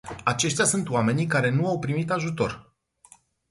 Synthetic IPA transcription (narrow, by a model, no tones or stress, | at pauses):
at͡ʃe̞ʃt̪easunt̪oame̞nik̬aɾe̞nuawpɾimit̪aʒut̪o̞̰r